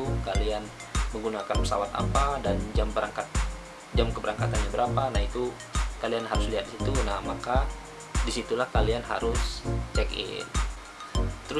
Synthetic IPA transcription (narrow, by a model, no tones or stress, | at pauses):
ukalian | məŋɡunakanpə̥sa̰wat̪a̰padand͡ʒambəɾaŋkat̪̚ | d͡ʒamkəbəɾaŋkat̪anɲabəɾapanahit̪u | kalianɦaɾʊsliɦat̪̚disit̪unahmaka | disit̪ulahkalianɦa̰ɾʊst͡ʃɛkɪ̰n | t̪əɾʊ